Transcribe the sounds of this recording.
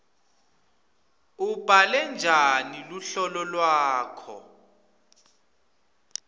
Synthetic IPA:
ub̥ʱalɛnd͡ʒʱaniluɬɔlɔlwaːkʰɔ̰

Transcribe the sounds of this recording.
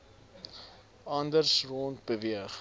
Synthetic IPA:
ɐndərsroːnt̚bəviəχ

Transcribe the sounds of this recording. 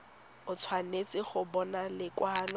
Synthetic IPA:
ʊt͡sʰwanet͡sɪχʊbɔnalɪkwaːlɔ

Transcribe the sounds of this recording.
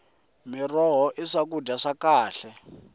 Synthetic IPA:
mirɔɦɔʔiʂak̬udaʂakaːɬɛ

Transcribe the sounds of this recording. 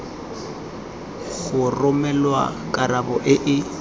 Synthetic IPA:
ɣʊrʊmɛlwa̰kʼarabɔʔɪʔɪ

